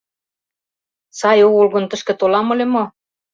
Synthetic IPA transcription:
sɑjoɣolɣɤ̆nt̪ə̆ʃkĕt̪olɑmŏlʲemo

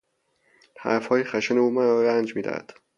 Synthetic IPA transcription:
hæ̰ɾfhɒːjexæʃeneuːmæɾɒːɾænd͡ʒmiːd̪æ̰d̪̥

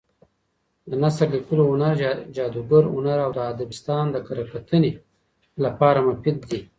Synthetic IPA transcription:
d̪ənasɾlikəloʊnaɾd͡ʒɑd̪uɡəɾʊ̰naɾawd̪əad̪abɪst̪ɑːnd̪əkaɾakat̪ʰəne | lapɑɾamafɪd̪̚ːi

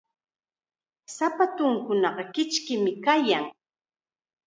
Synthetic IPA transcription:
sapat̪ʊŋkʊnɑɢɑkɪt͡ʃkɪmɪkajaŋ

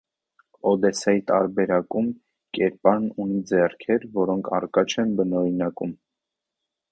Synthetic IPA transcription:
ɔd̪ɛsɑjit̪ɑɾbɛɾɑkum | kɛɾpɑnunid͡zɛrkʰɛɾvɔɾɔŋkʰɑ̰rkɑt͡ʃʰɛnbənɔɾinɑkum

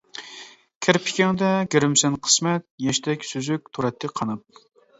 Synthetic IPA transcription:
kʲʰæɾpʰɪ̥kʲɛŋd̪ɛɡʲeɾɪmsɛnqʰə̥smɛt̪̚jɛʃt̪ʰɛkʲsyzyk̚ʲt̪ʰuɾɛt̪ʰːɪqʰɑnɨp̚

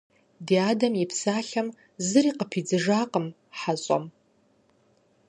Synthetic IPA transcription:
diadamipʰsaɬam | zɨriqʼəpʰid͡zɨʐaqʼəm | ħaɕʷʼa̰m

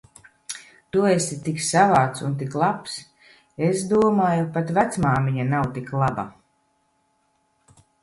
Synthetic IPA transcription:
t̪uɔesit̪iksavaːt̪sunt̪iklˠaps | esd̪uɔmaːjupat̪væt̪smaːmiɲanawt̪iklˠaba̰

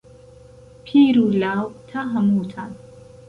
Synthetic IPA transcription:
pʰiːɾulawt̪ʰaɦɐmut̪ʰan

